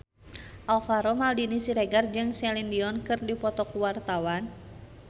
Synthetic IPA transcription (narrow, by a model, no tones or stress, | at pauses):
ʔalfaɾɔmaldinisiɾɛɡard͡ʒɨŋsɛlindiɔnkɨrdipɔt̪ɔkuwart̪awan